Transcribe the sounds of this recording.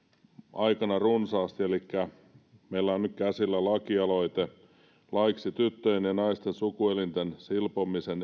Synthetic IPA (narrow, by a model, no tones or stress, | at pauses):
ʔɑikɑnɑrunsɑːst̪ielikːæ | meilːæonnykkæsilːælɑkiɑloit̪e | lɑiksit̪yt̪ːøinjɑnɑist̪ensukuelint̪ensilpomisen